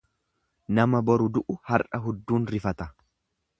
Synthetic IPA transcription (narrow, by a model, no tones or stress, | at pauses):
nɐmɐbɔɾʊd̪ʊʔʊhɐɾʔɐɦʊd̪ːuːnɾɪfɐt̪ɐ